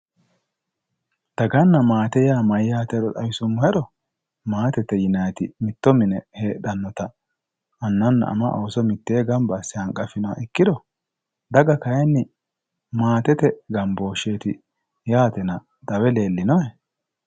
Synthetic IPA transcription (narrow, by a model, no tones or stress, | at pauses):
d̪̥ɐɡɐnːɐmaːt̪ɛjaːmɐjjaːt̪ɛdɔt̪ɐwɪsʊmːʊhɛɗɔ | maːt̪ɛt̪ɛjɪnɐjt̪ɪmɪt̪ːɔmɪnɛheːɗɐnːɔt̪ɐ | ɐnːɐnːɐ̰ʔɐ̰mɐʔoːsɔmɪt̪ːeːɡɐmbɐsːɪɐŋkʼːɐfɪna̰ʔɪkːɪd̪ɔ | d̪ɐɡɐkɐjɛnːɪ | maːt̪ɛt̪ɛɡɐmbo̞ːʃe̞ːt̪ɪ | jaːt̪ɛnɐ | d̪̥ɐwɛle̞ːlːɪnɔɛ